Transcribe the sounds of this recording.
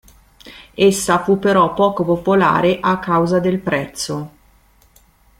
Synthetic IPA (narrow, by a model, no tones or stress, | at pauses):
esːafupːeɾɔpːɔːkopopola̰ːɾeʔakːawzad̪elpɾɛt̪sːo